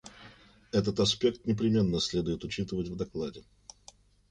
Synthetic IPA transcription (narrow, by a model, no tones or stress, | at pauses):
ɛt̪ət̪ɐspʲe̞k̚t̪nʲɪpɾʲɪmʲe̞nːəsʲlʲe̞d̪ʊjɪt̪ʊt͡ɕit̪əvətʲvd̪ɐklˠadʲɪ